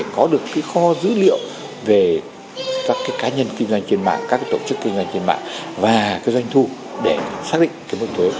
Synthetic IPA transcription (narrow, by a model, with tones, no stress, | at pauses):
kɔ˨˦ɗɨ˨˩əkːaː˨˦jxɔ˧˦zɨ̰˧˥lḭ˧˨əw | ve˨˩ | kaː˦˥kːaː˨˦jkaː˨˦ɲə˧nkï˧ŋ̟zwa˧jŋ̟t͡ɕe˧nma̰ː˧˨ŋkaː˦˥k̚aː˨˦t̪o˧˩t͡ɕɨ˦˥kːï˧ŋ̟zwa˧jŋ̟t͡ɕe˧nma̰ː˧˨ŋvaː˨˩kaː˨˦jzwa˧jŋ̟t̪ʰu˧ | ɗe˧˩saː˦˥ɗḭ˧˨ŋ̟kaː˨˦jmo˨˧˦t̪we˨˦